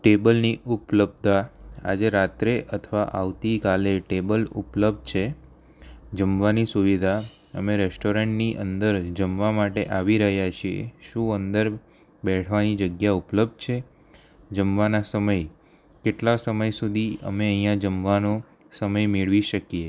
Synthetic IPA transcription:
ʈebəlniʔupləb̚d̪aa̰d͡ʒeɾat̪ɾeʔət̪ʰʋaʔa̰ʋt̪ikaleʈebəlṵpləb̚d̪̚t͡ʃʰe | d͡ʒəmʋanisuʋid̪ʱa | əmeɾɛsʈoɾeɳʈniʔənd̪əɾd͡ʒəmʋamaʈeʔaʋiɾəɦjat͡ʃʰiḛʃũənd̪əɾ | bɛʈʰʋanid͡ʒəɡjaupləb̚d̪̚t͡ʃʰe | d͡ʒəmʋanasəməj | keʈlasəməjsud̪ʱiə̰meəɦĩjãd͡ʒəmʋano | səməjmeɭʋiʃəkie

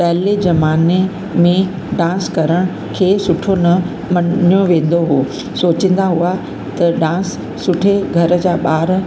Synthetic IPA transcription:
pɐɦled͡ʑɐmaːne | mẽ | ɖãːskɐɾəɽ̃ʊ | kʰeːsʊʈʰonɐ | mɐnjoʋẽːn̆d̪oɦuo | soːt͡ɕə̃n̆d̪aɦua | t̪ɐɖãːsː | ʊʈʰeɡʱɐɾə̆d͡ʑaːɓaːɾ

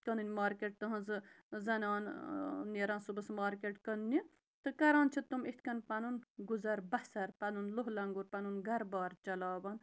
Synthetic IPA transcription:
kənɨnʲmaːɾkeʈ̚t̪ɐɦɐ̃nzɨ | zɐnʲɑːnneɾãːnsubɐsmaːɾkeʈkɐnni | t̪ɨkɐɾãːnt͡ʃʰit̪umit̪ʰʲkɐnpɐnunɡuzɐɾbɐsɐɾpɐnunloɦlɐŋɡuɾpɐnunɡɐɾbaːɾt͡ʃɐlaːbɐn

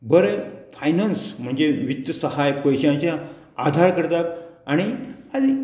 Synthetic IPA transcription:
bəɾefajnansm̤əɳd͡zeʋit̪əsəhajpəjɕãt͡ɕjã | ad̪ʱaɾkəɾt̪akaɽ̃iad̪i

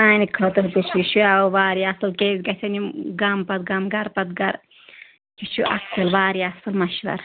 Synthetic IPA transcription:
aːnikʰɐt̪ɐɦt̪ut͡ʃiʃuaːʋaːɾjɐsɐlkeːzʲɡɐsʲɐniɡɐmpɐt̪̚ɡɐmɡɐɾpɐt̪ɡɐɾ | kit͡ʃʰuʔɐsɐlʋaːɾijɐsɨlmɐʃʋɐ̰ɾ

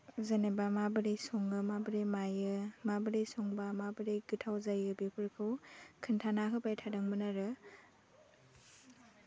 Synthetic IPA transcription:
zanebamabɯɾejsɔŋɯmabɯɾejmajɯmabɯɾejsɔŋbamabɯɾejɡɯtʰawzajɯbipʰɯɾkʰɯwkʰɯntʰanaɦɯpʰajtʰadɯŋbɯnaɾɯ

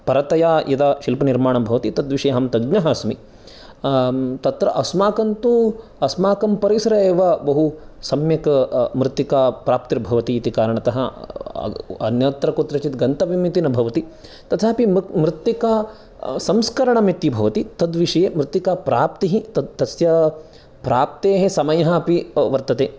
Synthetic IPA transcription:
pɐɾɐt̪ɐjaːʔid̪aʃilpɐniɾmaːɳɐmbʱɐʋɐt̪it̪ɐd̪ʋiʂɐjeɦɐmt̪ɐɡnɐɦɐsmḭ | t̪ɐt̪ɾɐ̰ʔɐsmaːkɐnt̪u | ɐsmaːkɐmpɐɾisɐɾɐeːʋɐbɐɦusɐmjɐkɐmɾɪt̪ːikaːpɾaːp̚t̪iɾbʱɐʋɐt̪iːt̪ikaːɾɐɳɐt̪ɐɦɐ̰ | ɐ̰njɐt̪ɾɐkot̪ɾɐt͡ʃit̪ɡɐnt̪ɐʋimit̪inɐbʱɐʋɐt̪i | t̪ɐt̪ʰaːpimmɾɪt̪ːikaː | sɐmskɐɾɐɳɐmit̪ːibʱɐʋɐt̪it̪ɐd̪ʋiʂɐjeːmɾɪt̪ːikaːpɾaːpt̪iɦit̪ɐt̪ɐsjɐ | pɾaːp̚t̪eːɦesɐmɐjɐɦɐpiʋɐɾt̪ɐt̪eː

